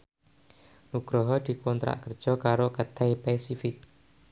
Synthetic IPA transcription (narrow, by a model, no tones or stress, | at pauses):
nuɡ̥ɾɔɦɔd̪̥i̤kɔnt̪ɾa̰ʔkər̥ʒ̥ɔ̤kaɾokət̪ajpɛsifɪk̚